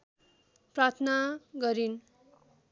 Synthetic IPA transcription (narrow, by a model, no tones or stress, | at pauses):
prat̪ʰnaɡʌɾin